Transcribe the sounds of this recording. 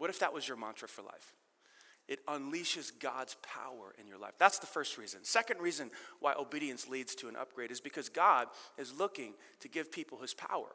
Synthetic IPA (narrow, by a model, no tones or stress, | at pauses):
wʌɾɨfðəʔ̚wʌzjə˞mɑ̃ntʰɹ̥ɨfə˞la̰ɪf | ʔɨɾə̃nliʃɨzɡɑdz̥pʰa̰ʊə̰˞ʔɨ̰̃njə̰˞la̰ɪfðætsðəfɜ˞st̚ɹizɨ̃nsɛkɨ̃ndɹizɨ̃nwʔaɪʔoʊbiɾiɨ̃nslidz̥tʰɨɨ̃nʔʌ̰p̚ɡ̥ɹeɪɾɨzbɨkʰʌzɡɑdɨzlʊkɪ̃ŋ | tʰɨɡɪv̥pʰipl̩ˠhɨz̥pʰa̰ʊə̰˞